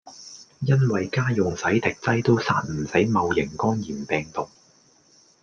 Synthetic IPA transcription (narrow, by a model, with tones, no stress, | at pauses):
jɐ˥nwɐ˨jkaː˥jʊ˨ŋsɐ˨˥jt̪ɪ˨k̚t͡sɐ˥jt̪o˥wsa̰ː˥n̚m̩˨˩sɐ˨˥jmɐ˨˧wjɪ˨˩ŋkɔː˥njiː˨˩npɛː˨ŋt̪ʊ˨k̚